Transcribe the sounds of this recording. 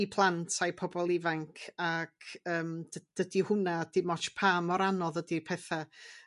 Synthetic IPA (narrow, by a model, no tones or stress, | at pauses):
ipʰlˠantʰajpʰɔbɔlˠɪvaŋkʰakəːmdəd̥ədihʊnad̥ɪmɔt͡ʃpʰaːmɔɾanɔðədipʰɛθa